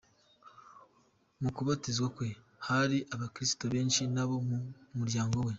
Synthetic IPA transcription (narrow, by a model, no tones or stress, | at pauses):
mukuβatizɡakwe̞ | haɾiʔaβakɾisi̥toβe̞ːnʃinaβo̞mumuɾɟaːŋɡo̞we̞